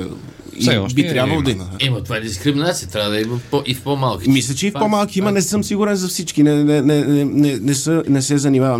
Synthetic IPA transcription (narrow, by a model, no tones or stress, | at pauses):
iɔʃbit̪ɾʲjabvɐlˠod̪ɐiməɛmɐt̪ovaɛd̪iskɾiminat̪sijət̪ɾʲjavəd̪ɐimpoʔifpɔmalˠkʲi̥mislʲɐt͡ʃɛifpomalˠkʲiimɐnɛsɤmsiɡuɾɛnzɐfsit͡ʃkinɛnɛnɛnɛnɛnɛsənɛsɛzɐnimavɐm